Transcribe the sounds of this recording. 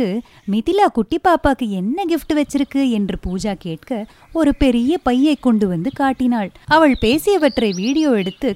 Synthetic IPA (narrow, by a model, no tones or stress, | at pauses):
ɯ | mɪðɪlaːkʊʈːipːaːpaːkɯɛnːɐɡɪfʈɯʋɐt͡ʃːɪɾɯkːɯɛndrɯpuːd͡ʒaːkeːʈkɐ | ɔɾɯpɛɾɪjɐpɐjːɐɪkːɔɳɖɯʋɐnd̪ɯkaːʈːɪnaːɭɐʋɐɭpeːsɪjɐʋɐʈːrɐɪʋiːɽɪjoːɛɽɯt̪ːɯ